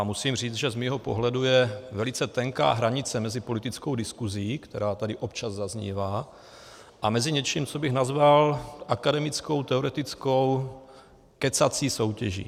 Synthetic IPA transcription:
amusiːmriːt͡sʒɛzmiːɦopo̞̰ɦlɛdujɛvɛlɪt͡sɛt̪ɛŋka̰ːɦɾaɲɪt͡sɛmɛzɪpo̞lit̪ɪt͡sko̞wdɪskuziːkt̪ɛɾaːt̪adɪʔo̞pt͡ʃazzazɲḭːvaː | ʔamɛziɲɛt͡ʃiːmt͡sobɪɣnazvalʔakadɛmɪt͡sko̞wt̪ɛoɾɛt̪ɪt͡skow | kɛt͡sat͡siːso̞wcɛʒḭː

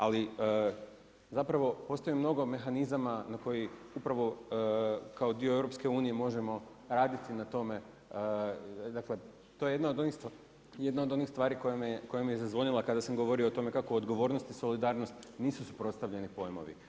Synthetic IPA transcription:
aliə | zapɾaʋo̞po̞ːst̪oimno̞ɡo̞me̞xanizamanako̞jiupɾaʋo̞ | kao̞d̪ioevɾo̞pske̞uːnije̞mo̞ʒe̞mo̞ | ɾaːd̪it̪inat̪o̞me̞ | d̪akle̞ | t̪o̞je̞jd̪naod̪oni | je̞d̪nao̞d̪o̞nixst̪ʋaːɾiko̞jamiko̞jamiezazʋo̞ʎilˠakad̪asamɡo̞ʋo̞ɾioot̪o̞me̞kakoːd̪ɡo̞ʋo̞ɾnost̪iso̞lid̪aːɾno̞st̪niːsusupɾo̞t̪st̪aʋʎe̞nipo̞jmo̞̰ʋḭ

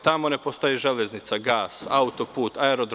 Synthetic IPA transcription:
t̪amo̞ne̞post̪ojeʒelʲeznit̪saɡaːsaut̪o̞puːt̪aeɾod̪ɾ

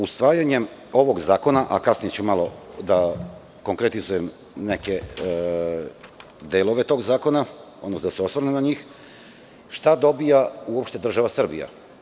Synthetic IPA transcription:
usʋaːjaɲe̞mo̞ʋo̞ɡzaːko̞naʔa̰kasnije̞t͡ɕumalo̞d̪a | ko̞ŋkɾet̪izuje̞m | ne̞ke̞ | d̪elˠo̞ʋet̪o̞ːɡzaːko̞naod̪nosnod̪aseo̞sʋaɾnenaɲiːx | ʃt̪ad̪o̞bijauopʃt̪e̞d̪r̩ʒaʋasr̩bḭja̰

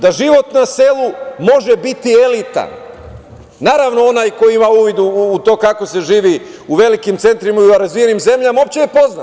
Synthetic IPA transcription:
d̪aʒiʋo̞t̪nase̞lˠumo̞ʒebit̪ie̞lit̪a̰nː | aːɾaʋno̞o̞najko̞jiimauːʋid̪uːt̪o̞ːkako̞se̞ʒiːʋiuʋe̞likimt̪se̞nt̪ɾimaiuaɾazʋijenimze̞mʎamao̞p̚t͡ɕejepo̞zna

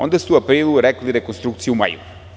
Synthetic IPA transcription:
o̰nd̪ast̪uapɾiːlˠuɾɛkliɾekonst̪ɾuk̚t̪sijuma̰jṵ

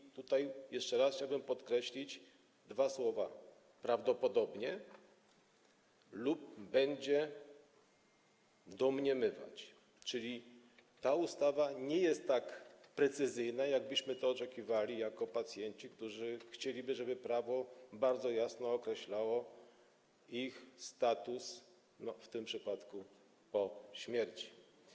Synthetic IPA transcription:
t̪ut̪ajjɛʂt͡ʂɛɾasxt͡ɕawbɘmpɔt̪kɾɛɕlʲid͡ʑ | d̪vaswɔva̰ | pɾavd̪ɔpɔd̪ɔbɲɛ | lup̚bɛɲd͡ʑɛ | d̪ɔmɲɛmɘva̰t͡ɕ | t͡ʂɘlʲi | t̪aust̪avaɲɛjɛst̪ːakpɾɛt̪sɘzɘjnajaɡ̚bɘɕmɘt̪ɔːt͡ʂɛkʲivalʲijakɔpat̪sʲjɛɲt͡ɕikt̪uʐɘxt͡ɕelʲibɘʐɛbɘpɾavɔbaɾd̪zɔjasnɔːkɾɛɕlawɔ | ixst̪at̪us | nɔft̪ɘmpʂɘpat̪ku | pɔɕmʲjɛɾt͡ɕi̥

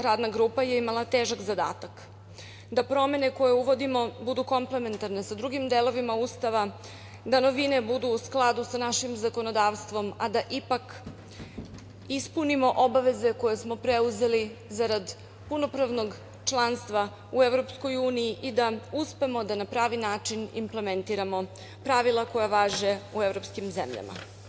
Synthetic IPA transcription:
ɾaːd̪naɡɾuːpaje̞imalat̪eːʒakzad̪a̰ːt̪ak | d̪apɾo̞me̞ne̞ko̞je̞uʋo̞d̪imo̞bud̪uko̞mple̞me̞nt̪aɾne̞sad̪ɾuɡimd̪elo̞ʋimauːst̪aʋa | d̪ano̞ʋinebud̪uːsklˠad̪usanaʃimzako̞no̞d̪aːʋst̪ʋo̞mad̪aʔipak | ispunimo̞ʔo̞baʋe̞ze̞ko̞je̞smo̞pɾeuze̞lizaɾad̪ | puno̞pɾaʋno̞ɡ | t͡ʃlˠanst̪ʋa | uevɾo̞psko̞juːnijiʔid̪auspe̞mod̪anapɾaːʋinaːt͡ʃinḭmple̞ment̪iɾamo̞ | pɾaʋilˠako̞jaʋaːʒe̞uevɾo̞pskimzḛmʎa̰ma̰

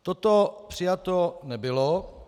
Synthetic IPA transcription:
t̪ot̪opr̝̥ɪjat̪onɛbɪlo

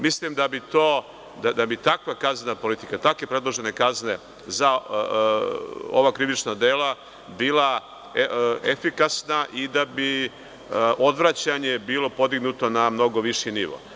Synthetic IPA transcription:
mislimd̪abit̪oː | d̪ad̪abit̪akʋakaznapo̞lit̪ikat̪akʋe̞pɾe̞d̪lˠoʒe̞ne̞kazne̞ | za | o̰ʋakɾiʋit͡ʃnad̪eːla | biːlˠa | efikasnaʔid̪abi | ʔo̞d̪ʋɾat͡ɕaɲe̞biːlo̞po̞d̪iɡnut̪o̞namno̞ɡo̞ʋiʃiniʋo̰

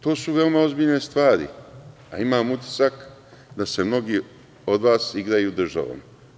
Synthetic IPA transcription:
t̪o̞ːsuʋe̞omao̞zbiːʎne̞st̪ʋaːɾḭ | a̰imaːmut̪ʲji̥sak | d̪ase̞mno̞ɡi | o̞d̪ʋaːsiɡɾajud̪r̩ʒa̰ʋo̰ma

